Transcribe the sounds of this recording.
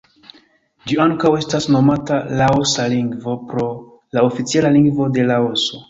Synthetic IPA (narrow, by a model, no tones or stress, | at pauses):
d͡ʒiaŋkawe̞stasno̞matalaosaliŋɡvo̞pɾo̞ | laofit͡sielaliŋɡvo̞de̞laoso̞